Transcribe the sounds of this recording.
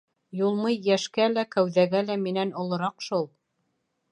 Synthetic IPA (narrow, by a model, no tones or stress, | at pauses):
julˠmɤjːæʃkælækæwðæɡælæminænŏlˠɤ̆ɾɑqʃulˠ